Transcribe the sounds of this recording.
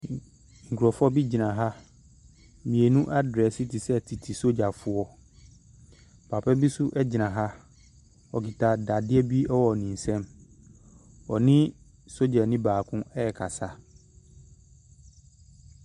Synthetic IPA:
ŋ̩˨kʰɔ˨fɔ˦bi˦d͡ʑi˨nã˨ɦa˦ | mĩ˨e˨nũ˦ʔa˦dɾɛ˨si˦tʰi˨sɛ˦tʰi˨tʰi˨so˦d͡ʑa˨fʊ˦ɔ˦ | pʰa˨pʰɛ˦bi˦sʊ˦ʔɛ˦d͡ʑɪ˨nã˨ɦa˦ | ɔ˨ki˨tʰa˨da˨dɪ˦ɛ˦bi˦ɛ˦wɔ˨nĩ˨n̩˨sɛ̃˦m | ɔ˨nɪ̃˦ | so˦d͡ʑa˨nɪ̃˦baː˨kʰʊ̃˦ɛ˦jɛ˨kʰa˨sa˦

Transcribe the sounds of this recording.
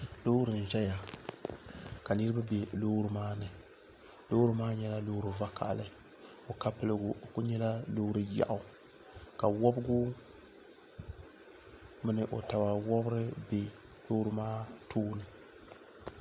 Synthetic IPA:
lo˦ɾɨ˨n̩˨ʒɛ˦ja˨ | ka˨nɨ˦ɾɨ˦ba˦be˨lo˦ɾɨ˦maː˦nɨ˨ | lo˦ɾɨ˦maː˦ɲɛ˦la˦loː˦ɾɨ˨va˦ka̰˨ʔlɨ˦ | o˨ka˦pɨ˦lɨ˦ɡʊ˨ku˦ɲɛ˦la˦lo˦hɾɨ˦ja̰˨ʔʊ˨ | ka˨wɔ˦bɡʊ˦ | mɨ˦nɨ˨ʔo˨ta˨wa˨wɔ˦bɾɨ˦be˨ | lo˦ɾɨ˦maː˦tʰoː˦nɨ˨

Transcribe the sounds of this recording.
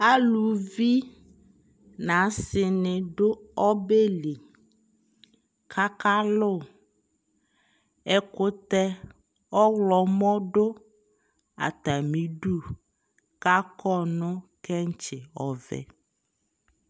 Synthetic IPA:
a˦lu˨vi˦ | nã˨˦sɪ˨nɪ̃˨ɖʊ˦ɔ˦be˦li˨ | kʰa˦ka˦lʊ˦˨ | ɛ˦kʊ˦t̪ɛ˦ | ɔ˦wlɔ˨mɔ̃˦ɖo˦ | a̰˨t̪a˨mĩ˨ɖu˦ | ka˦kʰɔ˦˨nʊ̃˦kɛ˦ŋ˦t͡ʃɪ˨ɔ˨vɛ̰˨

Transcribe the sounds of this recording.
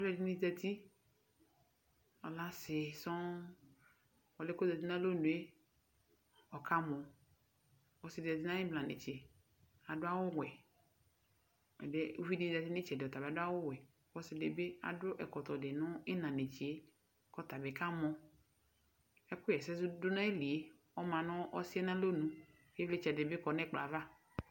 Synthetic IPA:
ɔ˨˦lɛ˦˨di˦nĩ˦zɛ˨t̪i˦ | ɔ˨la˦sɪ˨sɔ̃˦ | wɔ˨le˦ko˦za˨t̪i˦nã˦lo˦nũ˨e˦ | ɔ˨ka˦mɔ̃˨ | wɔ˨sɪ˨dɛ˨t̪̬i˦nã˦ɪ̃˦blã˨nḛ˨t͡ʃe˨ | a˨dʊ˦a˦wʊ˦wɛ˨ | ɛ̰˨de˦u˦vi˦di˦da˨ti˦nɪ̃˦t͡ʃɛ˨dɔ˨t̪a˨be˨a˨dʊ˦a˦wʊ˦wɛ˨ | wɔ˦sɪ˨de˨be˦a̰˨dʊ˦ʔɛ̰˨kɔ˨t̪ɔ˨dɪ˨nʊ̃˦ɪ˦nã˨ne˨t͡ʃi˨e˦ | kɔ˦t̪a˨be˨ka˦mɔ˨˦ | ɛ˦kʊ˦jɛ˨sɛ˦zʊ˦dʊ˦nã˦e˦li˨e˦ | ɔ˦mã˨nʊ̃˦ʔɔ˦sɪ˦ɛ˦nã˦lo˦nũ˦ | e˦vle˦t͡ʃɛ˨dɪ˨be˦kɔ˨nɛ˦k͡pla̰˨va˦

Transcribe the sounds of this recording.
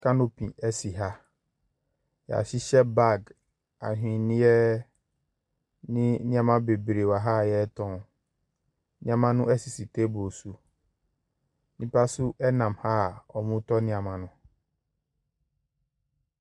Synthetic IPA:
ka˦no˦pʰḭ̃˨ɛ˦si˨ɦa˦ | ja̰˨ɕi˦ɕɛ˦ba˦˨ɡ | a̰˨ɦᶣĩ˨nɪ̃˦jɛ˦ | nɪ̃˦nɪ̃˦ã˨mã˦be˨bɾe˨wa˨ɦa˦˨jɛ˦tʰɔ̃˦˨ | nɪ̃˦a˨mã˦nʊ̃˦ʔɛ˦si˨si˨tʰe˦bo˨su˨ | nĩ˦pa˦sʊ˦ʔɛ˦nã˨mha˦˨ɔ˨mũ˦tɔ˦nɪ̃˦a˨mã˨nʊ̃˦

